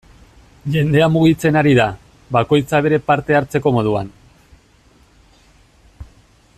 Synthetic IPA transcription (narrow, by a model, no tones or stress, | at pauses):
ʝe̞nd̪e̞amuɣ̞it͡se̞naɾiða | βako̞jt͡saβ̞e̞ɾe̞paɾt̪e̞aɾt͡se̞ko̞mo̞ð̞ua̰n